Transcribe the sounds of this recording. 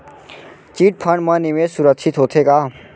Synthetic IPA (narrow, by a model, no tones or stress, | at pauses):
t͡ʃiːʈ̚pʰəɳmə̃niʋesuɾəkʃit̪ɦoːt̪ʰekaː